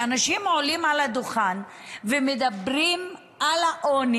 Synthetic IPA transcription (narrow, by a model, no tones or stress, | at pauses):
anaʃimolimalad̪oχan | vemed̪abʁim | alaʔoni